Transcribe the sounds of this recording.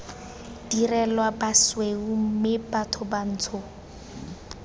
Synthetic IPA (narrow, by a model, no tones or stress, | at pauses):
dirɛlwabasweumɪbatʰʊban̩ːt͡sʰʊ